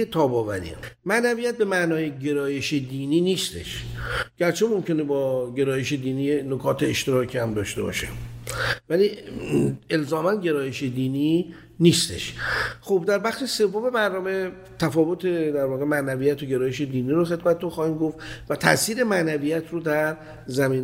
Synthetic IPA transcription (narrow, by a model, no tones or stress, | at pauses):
t̪ʰɒːbɒːvæ̰ɾḭmæʔnævijæt̪̚be̞mæʔnɒːjeɟe̞ɾɒːje̞ʃed̪iːniːniːst̪e̞̰ʃɟ̥æɾt͡ʃʰe̞momcʰe̞nebɒːɟe̞ɾɒːjeʃe̞d̪iːniːjenokʰɒːt̪ʰeeʃt̪e̞ɾɒːcʰihæmd̪ɒ̰ːʃt̪e̞̰bɒ̰ːʃḛ | væli | e̞lzɒːmænɟe̞ɾɒːje̞ʃed̪iːni | niːst̪e̞̰ʃxo̞b̚d̪æɾbæxʃese̞vːome̞bæɾnɒːme̞ | t̪ʰæfɒːvo̞t̪ʰe̞d̪æɾvɒːɣe̞mæʔnævijæt̪ʰoɟe̞ɾɒːje̞ʃe̞d̪iːniːɾoxe̞d̪mæt̪ʰet̪ʰoxɒːhiːmɡo̞ft̪væt̪ʰæ̰ʔsiːɾe̞mæʔnævijæt̪ʰɾod̪æɾ | zæmiːn